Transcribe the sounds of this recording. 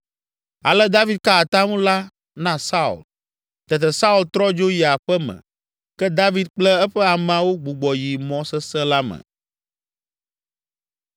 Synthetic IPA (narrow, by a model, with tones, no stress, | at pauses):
a̰˨lɛ˦d̪a˦vi˦d̪̚ka˦a˨t̪a˦ŋũ˦la˦ | nã˦sa˦ṵ˨l | t̪ɛ˨t̪̬ɛ˨sa˦u˦lt̪ɾɔ˦d͡ʒo˦ji˨a˨ɸɛ˦mɛ̰̃˨ | kɛ˦d̪a˦vi˦d̪̚k͡plɛ˦ɛ˦ɸɛ˦a˨m̃˨ã˨wo˦ɡ͡bu˨ɡ͡bɔ˨ji˨mɔ̃˨sɛ˦sɛ̃˦la˦mɛ̰˨